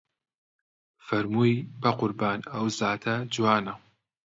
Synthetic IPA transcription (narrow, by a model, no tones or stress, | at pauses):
fɐɾmuːjbɐqʊɾbaːnɐwzaːt̪ʰɐd͡ʒwaːnɐ